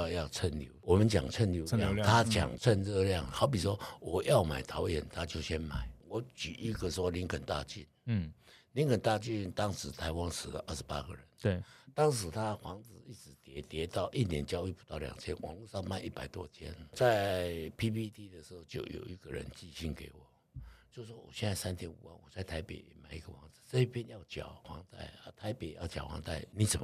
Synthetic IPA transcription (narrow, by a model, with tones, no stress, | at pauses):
jɑ˥˧˨ʊt͡sʰə˥˩nljo˧˥ʊwɔ˨˩mə˨˦nt͡ɕja̰˨˩ŋt͡sʰə˥˩nljo˧˥jɑ̰˥˨ŋt̪ʰa˦t͡ɕja̰˨˩ŋt͡sʰə˥˧nɻə˥˧ljɑ˥˨ŋhɑ˧˥ʊp̬i˨˩ʂwɔ˦wɔ˨˩jɑ˥˩ʊma˨˩ɪt̪ʰɑ˨˦ʊjɛ̰˨˩nt̪ʰa˥t͡ɕjo˥˩ʊɕjɛ˦˥nma˨˩˦ɪwɔ˧˥t͡ɕy˨˩ʔi˧˥ɡə˨ʂwɔ˦li˧˥ŋkʰə˨˩nt̪a̰˥˧t͡ɕi˥˩n | li˧˥ŋkʰə˨˩nt̪a˥˧t͡ɕi˥˧nt̪ɑ˥ŋʂɻ̩˧˥t̪ʰa˧˥ɪwa˦nʂ̩˨˩lə̰˦ʔə˥˩ʂ̩˧pa̰˥ɡə̰˨ɻə˧˦n˥˩t̪ɑ˥ŋʂɻ̩˧˥t̪ʰa˥xwɑ˧˥ŋt͡sɹ̩˨˩i˥˩t͡sɹ̩˧˥t̪jɛ˧˥t̪jɛ˧˥t̪ɑ˥˧ʊʔi˥˩njɛ˧˥nt͡ɕjɑ˥ʊy˥˩pu˨˩t̪ɑ˥˩ʊljɑ̰˨˩ŋt͡ɕʰjɛ˥nwɑ̰˨˧˦ŋlu˥˧ʂɑ˥˧ŋma˥˧nʔi˥˩pa˨˩ɪt̪wɔ˦˥t͡ɕʰjɛ̰˥nt͡sa˥˧ɪpʰi˥pʰi˥t̪ʰi˥˧d̪ə˨ʂɻ̩˧˥xo˥˧ʊt͡ɕjo˥˩ʊjo̰˨˩ʊi˧˥ɡ̥ə˨ɻə̰˧˦nt͡ɕi˥˧ɕi˥˩nke˧˥ɪwɔ˨˩ | t͡ɕjo˥˧ʊ˧wɔ˥wɔ̰˨˩ɕjɛ˥˧nt͡sa˥˩ɪsa˥nt̪ʰjɛ˥nṵ˨˩wa̰˥˩nwɔ˨˩t͡sa˥˩ɪt̪ʰa˧˥ɪpḛ˨˩ɪ˩ma˨˩ɪi˧˥ɡə˧xwɑ˧˥ŋt͡sɹ̩˨˩t͡sɤ˥˧i˥˩pʰjɛ˥njɑ˥˩ʊt͡ɕjɑ̰˨˩ʊxwɑ̰˧˥ŋt̪a̰˥˩ɪə˧t̪ʰa˧˥ɪpe˨ɪjɑ˥˩ʊt͡ɕjɑ˨˩wɑ̰˧˥ŋt̪a̰˥˩ɪni˨˧˥t͡sə˨˩m˦